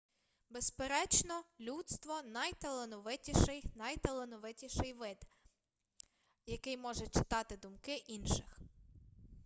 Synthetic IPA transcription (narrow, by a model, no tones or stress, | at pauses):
bespeɾɛt͡ʃnɔlʲut̪st̪ʋɔnɐjt̪elˠenɔʋɪtʲiʃɪjnɐjt̪elˠenɔʋɪtʲiʃɪjʋɪd̪ | jɐkɪjmɔʒɛt͡ʃɪ̥t̪ɑt̪ɪd̪ʊmkɪʔinʃɪx